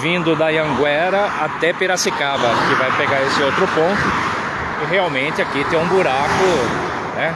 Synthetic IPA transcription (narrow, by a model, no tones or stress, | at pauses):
vĩnd̪ʊd̪ɐjɐ̃ɡwɛɾɐat̪ɛpeɾasikavɐkɪvajpeɡaɾesɪowt̪ɾʊpõnt̪ʊ | ɪɦeawmẽnt̪ɪakit̪ẽj̃ũbuɾakʊ | nɛ